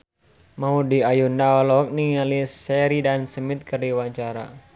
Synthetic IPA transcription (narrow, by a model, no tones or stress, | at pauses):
maudiajundaɔlɔk̚niŋalisːɛɾidansəmit̪̚kərdiwaɲt͡ʃaɾa̰